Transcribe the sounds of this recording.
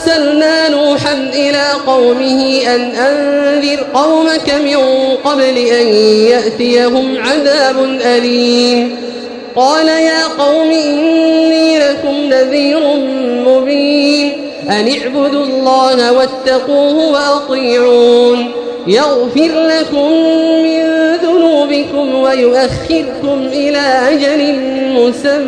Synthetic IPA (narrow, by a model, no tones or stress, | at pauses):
ɾsalnaːnuːħanʔɪlaːqɑwmɪhɪʔanʔaððɪɾqɑwmakamɪŋqɑblɪʔanjaʔt̪ɪjaɦʊmʕaðaːbʊnʔaliːm | qɑːlajaːqɑwmɪʔɪnːiːlakʊmnaðiːɾʊmʊbiːn | ʔanɪʕbʊd̪ʊɑlˤːɑːhawat̪ːɑquːhʊwaʔɑt̪ˤiːʕuːn | jaɣfɪɾlakʊmːɪnðʊnuːbɪkʊmwajʊʔaxːɪɾkʊmʔɪlaːʔad͡ʒaɾɪnmʊsamː